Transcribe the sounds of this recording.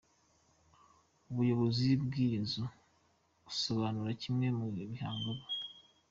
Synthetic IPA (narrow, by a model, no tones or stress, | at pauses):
uβujo̞βo̞zibɡiːzo | ɡ̥usoβaːnuɾacimŋe̞muβihaːŋɡoβo̥